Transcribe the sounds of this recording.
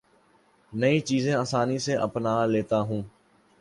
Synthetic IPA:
nəĩːt͡ʃiːzẽːaːsaːniseʔəpnaːleːt̪aːɦũː

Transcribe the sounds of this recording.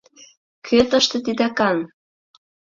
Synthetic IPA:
kʰøt̪əʃt̪ĕt̪id̪ɑkɑn

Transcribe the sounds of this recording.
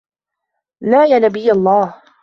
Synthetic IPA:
naːjaːnabɪjːalˤːɑːh

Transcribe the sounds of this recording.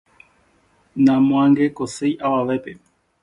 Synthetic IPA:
nãmw̃ãŋɡekosejʔawaʋepe

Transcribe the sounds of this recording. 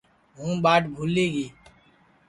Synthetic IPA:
ɦũːɓaːʈbʱuːliːɡiː

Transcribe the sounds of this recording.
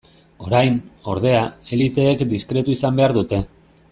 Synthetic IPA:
o̞ɾajno̞̰ɾð̞e̞ae̞lit̪e̞ːkd̪iskɾe̞t̪uisambe̞aɾðut̪e̞

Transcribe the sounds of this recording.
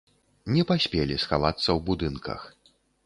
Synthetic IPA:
nʲɛpasʲpʲelʲisxa̰vat̪sːɐwbud̪ɨnkʰɐ̰x

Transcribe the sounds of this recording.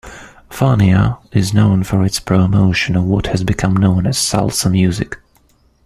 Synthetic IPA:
fɑniəɪznõʊ̃nfə˞ɨtspʰɹ̥omoʊʃɨ̃nʌvwʌt̚hɨzbɨkʰʌ̃mnõʊ̃nɨz̥sʌ̰lˠtsə̃nmjʉzɪ̰k

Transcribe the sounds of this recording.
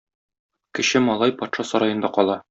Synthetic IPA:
kɘ̆ɕɘmɒlˠɑjpɒt̪ʃɑsɒɾɑjɤ̆nd̪ɑqɒlˠɑ

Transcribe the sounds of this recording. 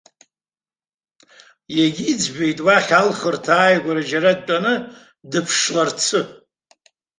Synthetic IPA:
jeɡʲiːd͡zbejtʼwaχʲalχərtʰaːjaɡʷaɾad͡ʒaɾad̚tʼanɨ | dɨpʰʂlart͡sʰɨ

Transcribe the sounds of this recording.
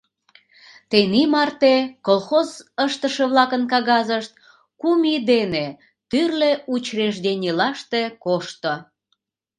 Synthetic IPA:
t̪enimɑrt̪ekolxozəʃt̪əʃeβlɑkənkɑɣɑzəʃt̪̚ | kumid̪ene | t̪yrleut͡ɕreʃd̪enʲilɑʃt̪ekoʃt̪o

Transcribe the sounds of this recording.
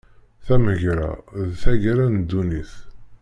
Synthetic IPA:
θæməʝɾa̰ðθæʝɾænd̪ːuniθ

